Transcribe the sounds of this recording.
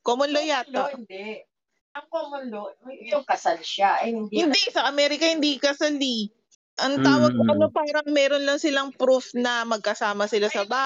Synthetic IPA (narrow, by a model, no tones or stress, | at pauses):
komonlojaːt̪ohɪnd̪ɛʔ | ɐŋkomonlojʊŋkɐsalʃaʔɐjhɪnd̪hɪnd̪ɛsɐʔɐmɛːɾɪkɐhɪnd̪ikɐsali | ʔɐŋt̪aːwɐɡ̚kʊʔɐno̞paːɾɐŋmɛːɾonlɐŋsɪlaŋpɾufnɐmɐɡ̚kɐsaːmɐsɪlasɐbaː